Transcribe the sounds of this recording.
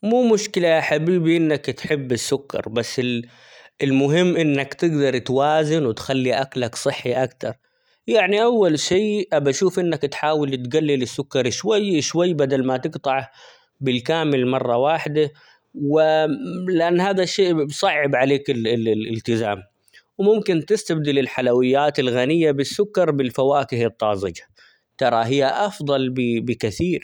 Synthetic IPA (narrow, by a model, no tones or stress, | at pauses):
muːmʊʃkɪlaaħabiːbiʔɪnːakt̪ħɪbːɪsːʊkːɑ̰ɾˤbasːɪ | ɪlmʊɦɪmːʔɪnːakt̪ɪɡd̪ɑɾˤt̪waːzɪnwɪt̪xalːiʔaklaksˤɨħːiʔakt̪ɑɾˤ | jaʕniʔawːalʃiːʔabaʃuːfʔɪnːakt̪ħaːwɪlt̪ɡalːɪlɪsːʊkːɑɾˤʃwajːʃwajːbad̪almat̪ɪɡt̪ˤɑʕa | bɪlkaːmɪlmɑrˤːɑwaːħd̪a | wɪlɪʔanːhaːðaʃeːʔbsˤɑʕːɪbʕaleːkɪlɪ̰lt̪ɪzaːm | wmʊmkɪnt̪ɪst̪ab̚d̪ɪlɪlħalawɪjːaːt̪ɪlɣanɪjːabɪsːʊkːɑɾˤbɪlfawaːkɪhɨt̪ˤːɑːzˤɪd͡ʒḁ | t̪ɑɾˤɑɦɪjːaʔɑfd̪ˤɑlbɪbɪkɪθiːɾ